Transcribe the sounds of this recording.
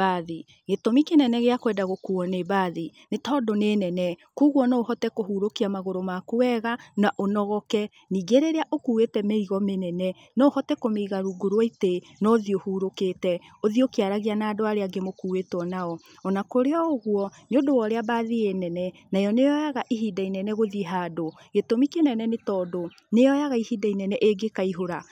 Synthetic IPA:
aði | ɣetomikenɛnɛɣeakwɛdaɣokuɔnebaðinetɔdonenɛnɛkuːɣwɔnoːhɔtɛkoɦuɾokiamaɣoɾomakowɛɣanaʔonɔɣɔkɛ | niːɡeɾeɾeaʔokuwetɛmeiɣɔmenɛnɛ | nɔhɔtɛkomeiɣaɾuɡuɾoaite | nɔðiohuɾoketɛoðiokiaɾaɣianaːdoaɾeaɡemokuːwetwɔnaɔ | ɔnakoɾeɔoɣwɔneodowɔɾeabaːðienɛnɛnajɔnejɔjaɣaʔiɦidainɛnɛɣoðiɦaːdo | ɣetomikenɛnɛnetɔːdo | nejɔjaɣaihidainɛnɛʔeɡekaiɦoɾa

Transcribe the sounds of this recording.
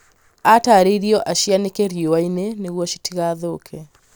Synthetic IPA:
ataɾeiɾiɔʔaʃianekeɾjewaineneɣwɔʃi̥tiɣaðokʰɛ

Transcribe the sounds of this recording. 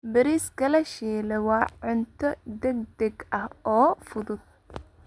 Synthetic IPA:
bɪɾiːskʰɐlɛʃiːlɛwɑːʕʊnt̪ʰɔd̪ɛɡ̚d̪ɛɡɐhɔːfʊðʊd̪̥̚

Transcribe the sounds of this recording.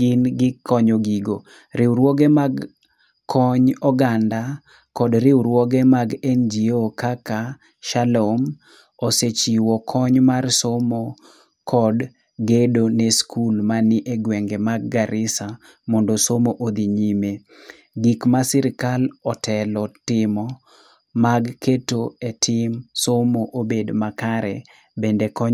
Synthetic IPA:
ɪnɡɪkʰːɔɲoɡiɡo | ɾɪwɾwɔɡemaɡʰ | ɔɲɔɡanda | kɔdɾɪwɾwɔɡemaɡɛnd͡ʒiokaka | ʃalom | oset͡ʃiwɔkʰɔɲmarsomɔ | kʰɔd | ɡedoneskʰulmanɪʔeɡwɛŋɡemaɡ̚ːaɾʔɪsa | mɔndosomoʔod̪iɲime | ɡikmasiɾɪkalɔtʰɛlɔtɪmɔ | maɡketoetʰɪmsomoʔobedmakaɾɛ | bendekɔɲ

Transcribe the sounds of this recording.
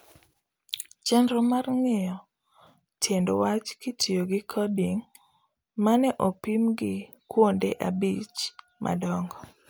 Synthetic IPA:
t͡ʃɛndɾɔmarŋɪjɔ | tʰjendowat͡ʃkɪtʰioɡɪkʰɔdiŋ | manɛʔopimɡɪ | kwondeʔabit͡ʃ | mʔa̰dɔŋɡɔ

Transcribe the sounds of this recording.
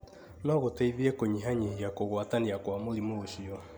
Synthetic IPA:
nɔɣotɛiðiɛkoɲiɦaɲeɦiakoɣwataniakwamolimoːʃiɔ

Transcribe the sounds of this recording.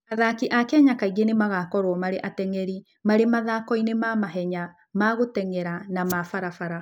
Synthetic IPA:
aðakiʔakɛɲakaiɣenemaɣakɔɾwɔmaɾeʔatɛŋɛɾi | maɾemaðakɔinemamaɦɛɲa | maɣotɛŋɛɾanamafaɾafaɾa

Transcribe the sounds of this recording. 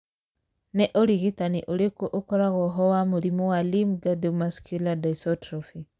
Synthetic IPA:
nɛʔɔɾiɣitaniʔuɾekoʔokɔɾaɣɔɦɔwamuɾimɔwalimɡadomaskuladaisɔtɾɔfi

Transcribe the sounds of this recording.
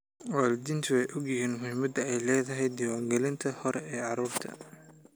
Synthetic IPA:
waːld̪ɪnt̪ʰwɛjʔɔɡjɪɦiːnmʊhɪmɐd̪ɐɛjlɛːðɐɦɛjd̪ɪwaːŋɡɛlɪnt̪ʰɐhɔɾɛɛːʕɑɾuːrt̪ʰɐ̰

